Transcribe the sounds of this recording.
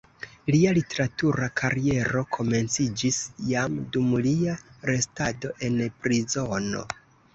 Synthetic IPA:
lialite̞ɾatuɾakʰaɾie̞ɾo̞kʰo̞me̞nt͡sid͡ʒisjamdumliaɾe̞stado̞ʔe̞npɾizo̞no̞̰

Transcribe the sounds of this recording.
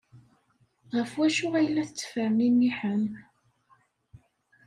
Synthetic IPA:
ʁəfwæʃʊʁæjlæθət͡sːə̥fəɾninːiħən

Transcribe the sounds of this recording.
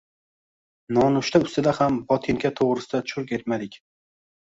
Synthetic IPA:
nɒnʊʃt̪ʰaʊst̪ɪd̪ahambɒt̪ʰɪŋkʲat̪ʰoʁɾɪsɪd̪at̪ʰʊ̥ʃʊɾkʲʰe̞t̪mad̪ɪkʲ

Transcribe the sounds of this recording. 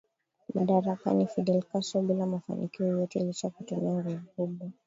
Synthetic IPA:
maɗaɾaka̰nifiɗɛlkasɔɓilamafa̰nikiɔjɔtɛilit͡ʃakutumiaŋɡuvukuɓwa

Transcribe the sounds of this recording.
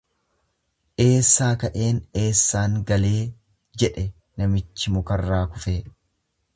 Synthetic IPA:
ʔe̞ːsːaːkɐʔe̞ːne̞ːsːaːŋɡɐle̞ː | d͡ʒɛᶑɛ | nɐmɪt͡ʃːɪmʊkɐrːaːkʊfeː

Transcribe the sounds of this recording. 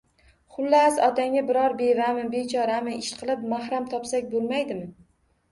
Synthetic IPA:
χʊlːasɒt̪ʰaŋʲabɪɾɒɾbe̞vamɪbet͡ʃʰɒɾamɪʔɪʃqʰɨlˠɪpmahɾamt̪ʰɒpsakʲbolˠmajd̪ɪmɪ

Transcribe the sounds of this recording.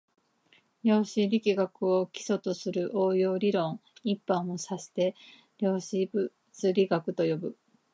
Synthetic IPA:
ɾʲjo̞ːɕiɾʲikʲiɡakɯ̟o̞kʲi̥so̞t̪o̞sɨɾɯ̟ʔoːjo̞ːɾʲiɾõ̞ŋipːãɰ̃osaɕi̥t̪e̞ | ɾʲo̞ːɕibɯ | t͡sɨɾʲiɡakɯ̟t̪o̞jo̞bɯ̟

